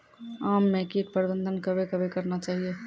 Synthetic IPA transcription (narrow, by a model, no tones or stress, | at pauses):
aːmːẽkiʈ̪̚pəɾbə̃nd̪ʱənkɐbʱekɐbʱekɐɾnat͡ʃaːɦieː